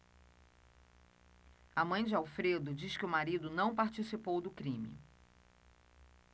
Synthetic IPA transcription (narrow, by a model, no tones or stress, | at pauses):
ɐmɐ̃j̃d͡ʒɪawfɾed̪ʊd͡ʒiskɪʊmaɾid̪ʊnɐ̃w̃paɾt͡ʃisipowd̪ʊkɾĩmɪ̰